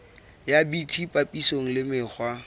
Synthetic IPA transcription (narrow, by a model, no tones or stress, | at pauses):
jabitʰipʼapʼisoŋ̩lɪmɪχwa